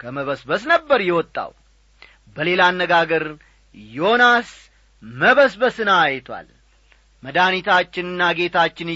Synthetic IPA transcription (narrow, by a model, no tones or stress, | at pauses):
kʰəməβəsbəsnəbːəɾjɛwɔt̪ʼːa̰w | bəle̞lanːəɡaɡəɾ | jo̞nas | məβəsbəsɨnaːjt̪ʰwa̰l | məd̪anit̪ʰat͡ʃːɪnɨnːaɡe̞t̪ʰat͡ʃːɪn